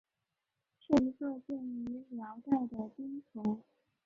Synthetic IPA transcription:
ʈ͡ʂɻ̩˥˩i˧˥kɤ˥˧t͡ɕjɛ˥˩ny˧˥ljɑ˧˥ʊt̪a˥˩ɪd̪ə˩pi˥ŋt͡sʰʊ˧˥ŋ

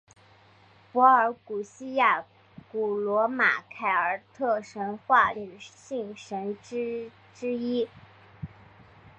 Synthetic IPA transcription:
pwɔ˧˥ə˞˧˥ku˨˩ɕi˥ja˥˩ | ku˨˩lwɔ˧˥ma̰˨˩kʰa˧˩ɪə˞˨˩t̪ʰɤ˥˩ʂə˧˥nxwa˥˩ny˨˩ɕi˥˩ŋʂə˧˥nʈ͡ʂ̩˥ | ʈ͡ʂɻ̩˥i˥

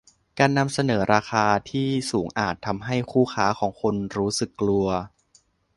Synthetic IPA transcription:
kaː˧nːa˧msa˧nɤː˩˦ɾaː˧xʰaː˧t̪ʰiː˥˩suː˩˦ŋʔaː˨˩t̪ʰːa˧mɦa˥˩jkʰuː˥˩xʰaː˦˥kʰɔː˩˦ŋkʰo˧nɾuː˦˥sɯ˨˩kːlu˧ɐ

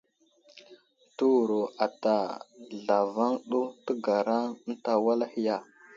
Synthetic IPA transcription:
tu˦˨ɾo˨a˨ta˨ɮa˨va˦ŋɗu˦tə˦ɡa˨ɾa˦n̩˦ta˨wa˦la˦hi˦ja˦˨

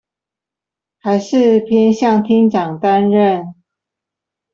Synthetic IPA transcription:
xa˧˦ɪʂɻ̩˥˨pʰjɛ˦nɕjɑ˥˨ŋt̪ʰi˥ŋt͡ɕɑ˨˩ŋt̪a˦nɻə˥˨n

